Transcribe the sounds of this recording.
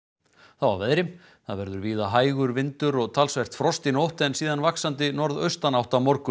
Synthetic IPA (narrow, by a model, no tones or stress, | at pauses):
θawa̰vɛðɾɪm | θaðvɛɾðʏɾviːðaɦaːjɣʏɾvɪnt̪ʏɾɔɣt̪ʰalsvɛr̥t̪fɾɔst̪inowht̪ɛnsiːðanvaksant̪ɪnɔɾðœɥst̪anawht̪amɔɾkʏ